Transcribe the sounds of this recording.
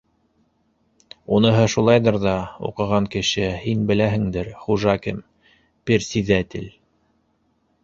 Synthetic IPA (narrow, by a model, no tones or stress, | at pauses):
unɤ̆ɦɤʃulˠɑjðɤɾðɑṵqɤ̆ʁɑŋkɘ̆ʃɘhinbɘ̆læɦɘ̆ŋd̪ɘɾχuʒɑkɘm | piɾsiðæt̪ɘl